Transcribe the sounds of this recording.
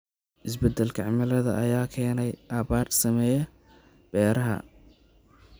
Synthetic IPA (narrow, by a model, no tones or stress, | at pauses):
ʔɪsbɛd̪ːɛlkʰɐʕɪmɐlɐðɐ̰ʔɐjaːkʰɛːnɛjʔaːβaːrsɐmɛːjɛ | b̥ɛːɾɐɦɐ̰